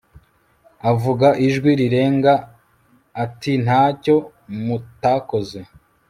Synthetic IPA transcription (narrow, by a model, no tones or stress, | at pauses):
avuɡaʔiʒɡwiɾiɾe̞ːŋɡaː | tin̥haːco̞ | mutaːko̞ze